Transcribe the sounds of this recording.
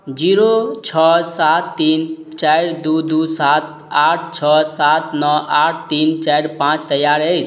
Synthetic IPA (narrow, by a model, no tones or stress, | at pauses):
d͡ʒiːɾot͡ʃʰɔsat̪ːiːn | t͡ʃaɪɾd̪ud̪usat̪̚ | aʈ̚ʰt͡ʃʰɔsat̪nɔʔaʈʰt̪iːnt͡ʃaɾpãt͡ʃt̪əjaɾejt͡ʃʰ